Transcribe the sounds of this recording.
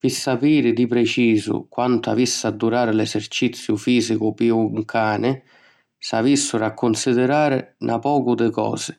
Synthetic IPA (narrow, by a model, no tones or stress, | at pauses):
pisːapiːɾɪd̪ipɾɛt͡ʃiːzʊ̰kwant̪ʊa̰visːad̪ːuɾaːɾɪlɛsert͡ʃit̪sːjʊfiːzikʊpiuŋkʰaːnɪ | savisːʊɾakʰːʊnsid̪ɪɾaːɾɪ̰nʔa̰pɔːkʊd̪ɪkɔ̰ːzɪ̥